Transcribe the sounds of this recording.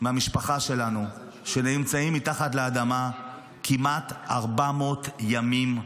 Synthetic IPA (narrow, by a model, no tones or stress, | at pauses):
mamiʃpaχaʃe̞lanu | ʃenemt͡saimːitaχatleadama | kʰimat̪aʁbamo̞tjamim